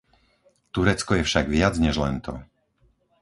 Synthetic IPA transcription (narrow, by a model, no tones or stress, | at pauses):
t̪uɾɛt͡skɔjɛfʃaɡʋɪad͡zɲɛʒlɛ̰nt̪ɔ̰